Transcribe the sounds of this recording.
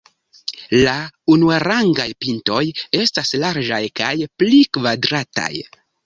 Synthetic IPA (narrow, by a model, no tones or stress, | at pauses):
launuaɾaŋɡajpinto̞je̞staslaɾd͡ʒajkajplikvadɾata̰j